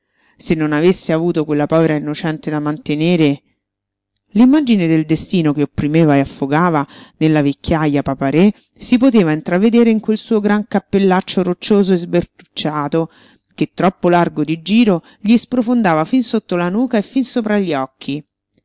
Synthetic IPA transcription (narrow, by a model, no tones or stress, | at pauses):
senːonavesːeavuːt̪okwelːapɔːveɾainːot͡ʃɛnt̪ed̪amant̪eneːɾe | limːad͡ʒined̪eld̪est̪iːnokeopːɾimeːvaeafːoɡaːvanelːavekːjajːapapaɾe | sipot̪eːvaint̪ɾavːed̪eːɾeiŋkwelsuːoɡɾaŋkapːelːat͡ʃːoɾot͡ʃːoːzoezbert̪ut͡ʃːaːt̪o | ket̪ːɾɔpːolarɡod̪id͡ʒiːɾo | ʎispɾofond̪aːvafinsot̪ːolanuːkaefːinsoːpɾaʎːiɔkʰːi